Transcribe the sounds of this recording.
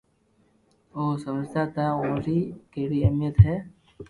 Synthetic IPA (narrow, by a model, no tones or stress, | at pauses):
oːsəməd͡ʒt̪aːt̪aːõːɾiːkeːɽiːəmijət̪ɦɛː